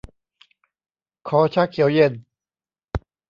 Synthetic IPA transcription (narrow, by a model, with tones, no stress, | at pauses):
kʰɔː˩˦t͡ɕʰa˦˥˩kʰːi˨˩˦wje˧˩n